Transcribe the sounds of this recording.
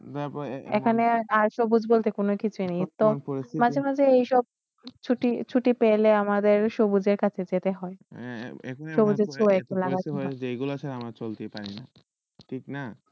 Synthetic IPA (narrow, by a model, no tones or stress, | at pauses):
d̪apḛkʰaneaɾʃobud͡ʑbolt̪ekonokit͡ɕʰuinejt̪omad͡ʑʱemad͡ʑeejʃɔb̚ | t͡ɕʰuʈit͡ɕʰuʈipeleamad̪eɾʃobud͡ʑeɾkat͡ɕʰed͡ʑet̪eɦɔḛḛʃobud͡ʑeɾt͡ɕʰoɛk̚elaɡad͡ʒejɡulaʃʰaɾamɾat͡ɕolt̪epaɾina̰ | ʈʰikna